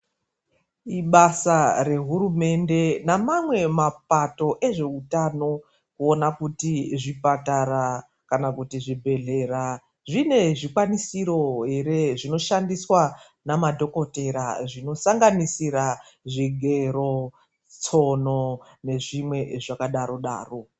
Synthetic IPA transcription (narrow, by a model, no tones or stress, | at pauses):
iɓasare̞ɦurume̞nde̞namamwe̞mapato̞ʔe̞ʐe̞utano̞ | kuonakutiʐipatara | kanakutiʐibʱe̞ɮe̞ra | ʐine̞ʐikwanisiɾo̞ɦe̞ɾe̞ʐino̞ʃandiswa | namadʱo̞ko̞te̞ɾaʐino̞saŋɡanisiɾaʐiɡʱe̞ro̞ | t͡sonone̞ʐimwe̞ʐakaɗaɾo̞ɗa̰ːro̞